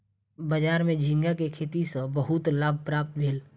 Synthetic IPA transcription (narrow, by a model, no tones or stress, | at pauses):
bəd͡ʒaːɾmẽd͡ʒʱĩŋɡakekʰeːt̪isəbəɦʊt̪laːb̚ʱpɾaːp̚t̪bʱeːl